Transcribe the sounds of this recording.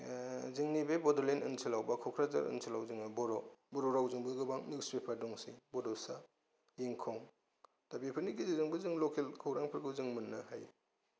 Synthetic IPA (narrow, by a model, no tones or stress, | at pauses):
ziŋnibebɔdɔlenʔɯ̰nsʰilawbakʰɔkʰɾaza̰ɾɯ̰nsʰilawzɯŋnɯbɔɾɔbɔɾɔɾawzɯŋbɯɡɯbaŋniwspepʰaɾdɔŋsibɔdɔsa | jeŋkʰɔŋ | tabepʰɯɾnikizizɯŋbɯzɯŋlokʰelkʰɯwɾaŋpʰɯɾɡɯzɯŋmɯnːɯɦaj